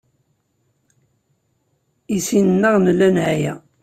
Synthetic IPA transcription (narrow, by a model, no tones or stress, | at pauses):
isinənːəʁnəlːænʕjæ